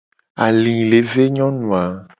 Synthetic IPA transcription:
a˨lĩ˨le˨˦ve˦ɲɔ̃˦nũ˨a˨

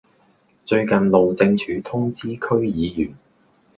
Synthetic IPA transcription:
t͡ʃɵ˧ɥkɐ˨nlo˨wt͡sɪ˧ŋt͡ʃʰyː˨˥t̪ʰʊ˥ŋt͡siː˥kʰɵ˥ɥjiː˨˧jyː˨˩n

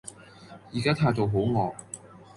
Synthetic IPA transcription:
jiː˨˩kaː˦˥t̪ʰaː˧jt̪o˨wɦo˨˥wŋɔː˨˧

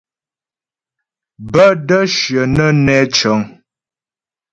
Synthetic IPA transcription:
bə˦də˦ʃɥə˨nə˦nɛ˦t͡ʃə˨˦ŋ

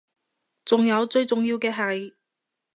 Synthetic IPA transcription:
t͡sʊ˨ŋjɐ˨˧wt͡sɵ˧ɥt͡sʊ˨ŋjiː˧wkɛː˧ɦɐ˨j

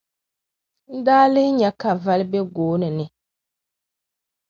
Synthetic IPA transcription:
n̩˦daː˦lɪ˦hɪ˦ɲɛ˨ka˨va˦lbɛ˦ɡoː˨˦nɨ˨nɪ˨

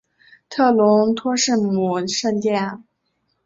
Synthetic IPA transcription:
t̪ʰɤ˥˩lʊ˧˥ŋt̪ʰwɔ˥ʂɻ̩˥˩mu˨˩ʂə˥˧nt̪jɛ˥˩n

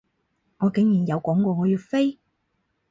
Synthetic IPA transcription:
ŋɔː˨˧kɪ˨˥ŋjiː˨˩njɐ˨˧wkɔː˨˥ŋkɔː˧ŋɔː˨˧jyː˧t̚fe˥j

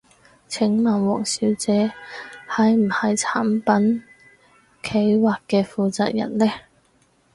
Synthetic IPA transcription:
t͡sʰɪ˨˥ŋmɐː˨˩nwɔː˨˩ŋsiː˨˥wt͡sɛː˨˥hɐ˨jm̩˨˩hɐ˨jt͡sʰaː˨˥mpɐ˨˥n | kʰe˨˥jwaː˨kkːɛː˧fuː˨˧t͡sa̰ː˧k̚jɐ̰˨˩nlɛː˥

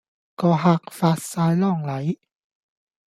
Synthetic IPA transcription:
kɔː˧ɦaː˧k̚faː˧t̚saː˧jlɔː˥˩ŋlɐ˨˦j

